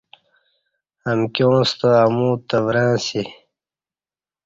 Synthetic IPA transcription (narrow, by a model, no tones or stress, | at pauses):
əmkʲjõːst̪əamũːt̪əvɾãːsi